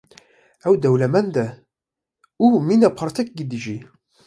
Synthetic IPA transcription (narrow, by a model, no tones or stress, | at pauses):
æwd̪æwlæmænd̪æ | uminæqːəɾˤt̪ækɡəd̪ʒi